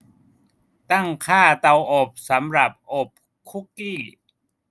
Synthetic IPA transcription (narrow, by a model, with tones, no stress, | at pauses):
t̪a˥˩ŋkʰaː˥˩t̪a˧wʔo˨˩p̚sa˩˦mɾa˨˩p̚ʔo˨˩p̚ | kʰu˦˥kːiː˥˩